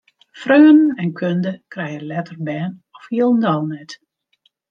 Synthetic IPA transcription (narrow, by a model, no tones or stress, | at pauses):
frøːnn̩ɛnkʰøndəkrɛjəlɛtərbɛːnɔfhiəlˠndɔlˠnɛt